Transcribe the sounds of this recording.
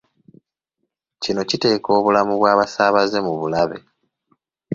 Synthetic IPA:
cino̞cite̞ːko̞ːβulamuβwaːβasaːβaze̞muβulaβe̞̰

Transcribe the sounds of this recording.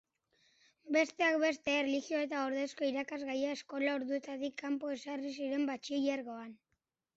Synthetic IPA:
be̞st̪e̞ak̚be̞st̪e̞ːreliɣio̞e̞t̪aoɾðe̞sko̞iɾakazɣajae̞sko̞lao̞ɾðue̞t̪at̪ikʰːampo̞e̞sarisiɾe̞mbat͡ʃiʎeɾɣo̞an

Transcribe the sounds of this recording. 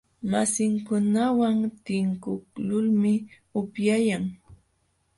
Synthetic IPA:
masɪŋkʊnawaŋt̪ɪŋkʊklʊlmɪ | ʊpjajaŋ

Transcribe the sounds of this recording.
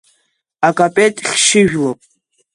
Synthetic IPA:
akʼapʼetʼχʲʃɪʒᶣlopʼ

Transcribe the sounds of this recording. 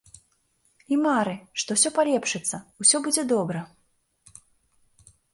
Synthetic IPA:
imaɾɨʂt̪ɔwsʲɔpalʲɛpʂɨt̪sːɐusʲɔbud͡zʲɛd̪ɔbɾɐ

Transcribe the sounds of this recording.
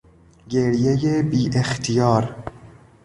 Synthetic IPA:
ɡeɾjejebiːʔext̪ʰijɒːɾ

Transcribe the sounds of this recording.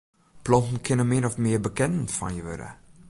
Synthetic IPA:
plɔntn̩kʰɪnəmɪnɔfmɪəbəkɛnn̩fɔ̰njəʋø̰ɾə̰

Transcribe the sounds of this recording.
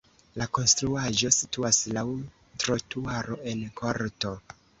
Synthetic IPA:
lako̞nstɾuaʒo̞situaslaw | tɾotuaɾo̞e̞nkʰoɾto̞

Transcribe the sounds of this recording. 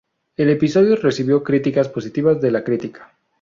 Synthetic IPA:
e̞le̞pisoðjore̞siβjo̞kɾit̪ikaspo̞sit̪iβazðe̞lakɾit̪ikḁ

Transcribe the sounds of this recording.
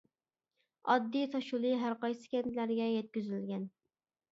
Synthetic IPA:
ɑd̪ːijt̪ʰɑʃulˠɨɦæɾqɑjsɨ̥kʲɛnt̪læɾɡʲɛjɛt̪̚kʲyzylɡʲɛn

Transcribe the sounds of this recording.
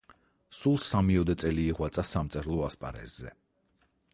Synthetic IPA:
sulˠsamiɔd̪ɛt̪sʼɛliːʁwat̪sʼasamt̪sʼɛɾlˠɔaspʼa̰ɾɛ̰zzːɛ̰

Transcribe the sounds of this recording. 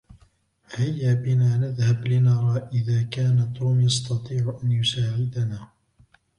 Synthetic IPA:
hajːaːbɪnaːnaðhablɪnɑɾˤɑːʔɪðaːkaːnat̪ːuːmjɑst̪ɑt̪ˤiːʕʔanjʊsaːʕɪd̪anaː

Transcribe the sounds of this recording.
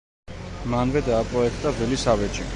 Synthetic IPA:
manvɛd̪aːpʼɾɔɛkʰt̪ʼabvɛlisavɛt͡ʃʰʼḭ

